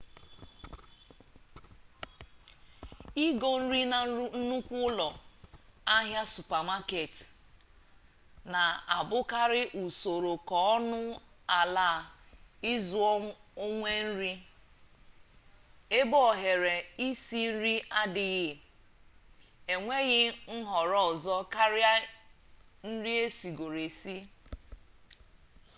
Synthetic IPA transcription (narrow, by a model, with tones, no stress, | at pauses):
i˦ɡo˨n̩˦ɾi˦na˨˦n̩˦nu˦kʷu˦lɔ˨ | a˦ɦja˦su˨pa˨ma˦ke˨t | na˨a˨bʊ˦ka˦ɾɪ˦ʔu˨so˨ɾo˨kɔ˦ɔ˦nʊ˦ | a˨la˦˨ɪ˦zʊ˨˦o˦ŋʷe˦n̩˦ɾi˦ | e˦bɔ˦˨ɦe˨ɾe˨i˦si˦n̩˦ɾi˦ʔa˦dɪ˨ɣɪ˦ | e˨ŋʷe˦ɣɪ˦n̩˦ɦɔ˨ɾɔ˦ɔ˨zɔ˦ka˦ɾɪ˦a˦ | n̩˦ɾi˦e˦si˨ɡo˨ɾe˨si˦